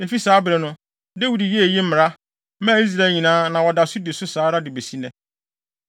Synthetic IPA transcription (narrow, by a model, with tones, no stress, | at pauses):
e˨fi˦saː˦bɾɛ˨nʊ̃˦ | de˦wi˨di˨je˦e˨ji˦m̩˦mɪ˨ɾa˦ | mã˦i˦s̬ɾa˨ɛ˨ɲĩ˨nãː˦nã˨wɔ˨da˨sʊ˦de˨sʊ˦saː˦ɾa˦dɪ˨be˨si˦nɛ̃˦